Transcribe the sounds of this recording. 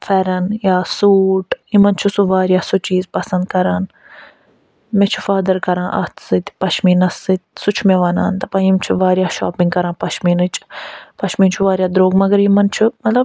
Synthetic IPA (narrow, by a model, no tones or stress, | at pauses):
fɛɾɐnjaːsuːʈjimɐnt͡ʃʰusuʋaːɾjaːsut͡ʃiːzpɐsɐnd̪̚kɐɾaːn | mɛt͡ʃʰu̥faːd̪ɐɾkɐɾãːʔɐ̰ht̪sɨt̪pɐʃʰmiːnɐsːɨt̪ʲsut͡ʃʰmeʋɐna̰ːnt̪ɐpãːjimt͡ʃʰuʋaːɾjaːʃaːpĩŋɡkɐɾãːpɐʃmiːnɨt͡ʃʰpɐʃʰmiːnt͡ʃʰuʋaːɾjaːd̪ɾoːɡmɐɡɐɾjimɐnt͡ʃʰumɐt̪lɐb